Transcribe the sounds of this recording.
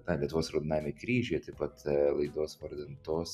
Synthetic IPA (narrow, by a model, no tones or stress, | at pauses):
nɐlʲiɛt̪ʊʋoːsɾoʊd̪ʲɪnɑːʋɪmʲekɾʲiːʒʲoːjɛt̪ɐɪpɐt̪lˠɐɪd̪oːsʋɐɾʲd̪ʲɪnt̪oːs